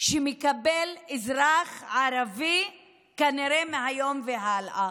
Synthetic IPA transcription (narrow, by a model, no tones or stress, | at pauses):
ʃemekabelizɾaχʕaɾavi | kaniɾemeɦajo̞mveɦalʔa